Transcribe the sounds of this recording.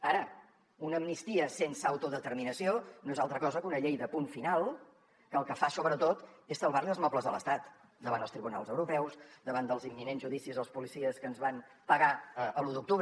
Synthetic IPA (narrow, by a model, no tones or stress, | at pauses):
aɾə | unəːmnist̪iəsensəəwt̪uðət̪əɾminəsionoezalˠt̪ɾəkɔzəkunəʎejðəpunfinalˠ | kəːlˠkəfasoβɾət̪ot̪esəlˠβarliəlzmɔpləzðələ̰st̪at̪ | d̪əβand̪əlst̪ɾiβuna̰lˠzəwɾupɛwsd̪əβand̪əlˠzimːinenzʒuðisizəlˠspulisiəskənzβan | pəɣaəʔəluðuk̚t̪uβɾ